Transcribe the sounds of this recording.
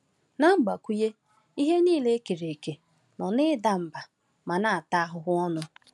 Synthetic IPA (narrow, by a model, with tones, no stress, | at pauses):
na˦ŋ͡m̩˦ɡ͡ba˨kʷu˦je˦ | i˦ɦe˦niː˦le˦ke˨ɾe˨ke˨ | nɔ˨nɪ˦da˦m̩˨ba˨ | ma˨na˦a˨ta˦ɦʊ˨ɦʊ˦ɔ˦nʊ˦